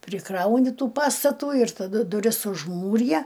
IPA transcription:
pʲrʲɪˈkrɐʊnʲɪ ˈtuː ˈpɑːstɐtuː ɪr tɐˈdʊ dʊˈrʲɪs ʊʒˈmuːrʲɪjɛ

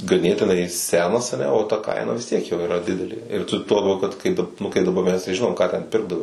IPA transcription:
ɡɐˈnʲeːtʲɪnɐɪ ˈsʲæːnɐs ɐˈnʲɛ oː tɐ ˈkɐɪnɐ ʋʲɪs ˈtʲiɛk joː ɪˈrɐ ˈdʲɪdʲɛlʲeː ɪr ˈtʊ tuɔ lˠɐˈbʲɛʊ kɐt ˈkɐɪ ˈnʊ kɐɪ dɐˈbɐ mʲɛs tɐɪ ˈʒʲɪnoːm ˈkɑː tʲɛn ˈpʲɪrɡdɐʋɐɪ

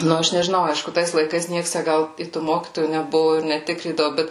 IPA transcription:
ˈnʊ ˈɐʃ nʲɛʒʲɪˈnɐʊ ˈɐɪʃkʊ ˈtɐɪs lˠɐɪˈkɐɪs ˈnʲiɛks tʲæ ˈɡɐlˠ ɪ tuː ˈmoːkʲiːtoːjuː nʲɛˈbʊʋoː ɪr nʲɛˈtʲɪkrʲiːdɐʋʊ ˈbʲɛt

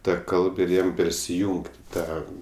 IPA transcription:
ˈtɐ ˈkɐlˠp ɪr ˈjɛm pʲɛrʲsʲɪˈjuːŋktʲ ɪ ˈtɑː

